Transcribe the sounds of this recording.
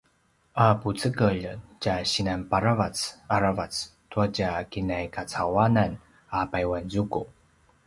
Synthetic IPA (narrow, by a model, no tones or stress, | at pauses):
ʔaput͡səkəʎcaɕinanpaɾavat͡saɾavat͡stuacakinajkʰat͡sawanan | apajwanzuku